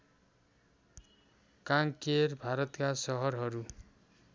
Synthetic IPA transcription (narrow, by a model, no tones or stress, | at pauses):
kaŋkerbʱaɾʌt̪kasʌɦʌrɦʌɾu